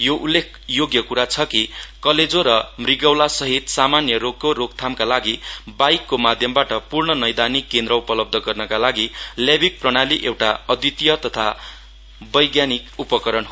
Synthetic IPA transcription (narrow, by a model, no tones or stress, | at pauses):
joʔulːek̚ʰjoɡjʌkuɾat͡sʰʌkikʌled͡zoɾʌmriɡʌwlasʌɦit̪samanjʌɾoɡ̚koɾoɡt̪ʰamkalaɡibajkːomad̪ʱjʌmbaʈʌpurɳʌnʌjd̪anikːend̪ɾʌupʌlʌb̚d̪ʱʌɡʌrnʌkalaɡilabik̚prʌɽ̃aliʔewʈaʌd̪it̪ijʌt̪ʌt̪ʰa | bʌjɡjanikupʌkʌɾʌnɦo